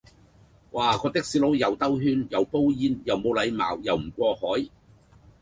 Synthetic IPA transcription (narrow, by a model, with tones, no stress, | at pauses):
wʔaː˨˩kʰɔː˨˧t̪ɪ˥k̚siː˨˥lo˨˥wjɐ˨wt̪ɐ˥wɦyː˥njɐ˨˩wpo˥wjiː˨˧njɐ˨˩wmo˨˧wlɐ˨˧jma̰ː˨˩wjɐ˨˩wm̩˨˩kʷɔː˧hɔː˨˥j